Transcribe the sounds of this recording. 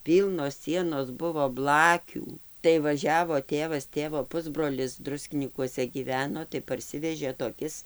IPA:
ˈpʲiːlˠnoːs ˈsʲiɛnoːs ˈbʊʋoː ˈblˠɑːkʲuː tɐɪ ʋɐˈʒʲæːʋoː ˈtʲeːʋɐs ˈtʲeːʋoː ˈpʊzbroːlʲɪs ˈdrʊsʲkʲɪnʲiːkuɔsʲɛ ˈɡʲiːʋʲɛnoː tɐɪ pɐrʲˈsʲɪʋʲɛʒʲeː toːˈkʲɪs

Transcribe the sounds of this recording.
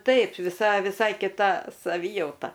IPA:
ˈtɐɪp ʋʲɪˈsɐ ʋʲɪˈsɐɪ kʲɪˈtɐ sɐˈʋʲiːjɛʊtɐ

